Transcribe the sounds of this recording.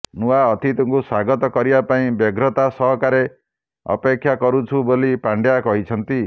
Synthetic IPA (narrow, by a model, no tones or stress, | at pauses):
nuaɔt̪ʰit̪ɔŋkuswaɡɔt̪ɔkɔɾibapaĩbeɡɾɔt̪asɔɦɔkaɾe | ɔ̰pekʰːjakɔɾut͡ʃʰubolipaɳɖjakɔɦit͡ʃʰɔnt̪i